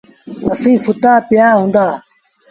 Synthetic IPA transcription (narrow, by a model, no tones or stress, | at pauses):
əsĩːfʊt̪aːpɪjaːɦũːnd̪aː